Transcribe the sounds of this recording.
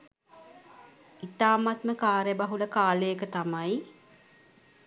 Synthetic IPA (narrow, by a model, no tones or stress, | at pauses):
it̪aːmat̪məkaːɾjəbaɦuləkaːlejəkət̪amaj